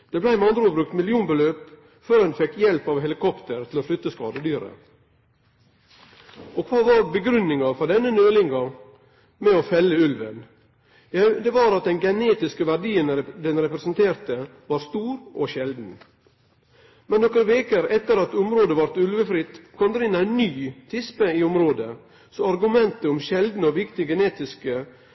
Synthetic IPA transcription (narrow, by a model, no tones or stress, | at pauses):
d̪̥ɛblæɪmɑnd̪ɾəuːbɾʉk̚t̪mɪlɪuːnbəløːp | føːɾhɛnfɛkːjɛlpɑʋɦɛlɪkʰɔpt̪əɾt̪ʰɪloʂɭʉt̪ːəskɑːd̪əd̪yːɾə̰ | okʰʋɑːʋɑɾbəɡɾʉnːɪŋɑfɔɾɖ̪ɛnːənøːlɪŋɑ | mɛofɛlːəʉlʋə̰n | jæd̪ɛʋɑɾɑt̪̚d̪ɛnɡɛneːt̪ɪskəʋæɾɖiːənd̪ɛnɾɛpɾɛsənt̪ʰeːɾt̪ə | ʋɑɾst̪uːɾʔɔʃɛld̪n̩ | mɛnːɔkəɾəʋeːkəɾɛt̪ːəɾɑt̪ʊmɾoːd̪əʋɑɾt̪ʉlʋəfɾɪt̪ːkʰɔmd̪ɛɾɪnæɪnːyːt̪ʰɪspəiːʊmɾoːd̪ə | sɔɑɾɡʉmɛnt̪əʊmʃɛld̪n̩əoːʋɪkt̪ɪɡɛneːt̪ɪskə